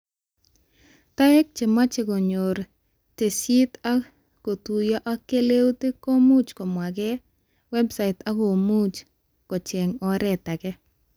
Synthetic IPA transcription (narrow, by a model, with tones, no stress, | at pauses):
ta˦ɛ˦k̚t͡ʃɪ˨ma˦t͡ʃe˨ko˨ɲo˨ɾ | te˨si˦ta˦ | ko˨tu˨ja˦ʔa˦kːe˦le˦wte˦ko˦mu˦t͡ʃkɔ˨mwa˨kɛ | wɛ˦bsa˨ɪta˦ko˨mu˦t͡ʃ | kɔ˨t͡ʃe˨ŋɔ˦ɾɛ˨ta˨kɛ˦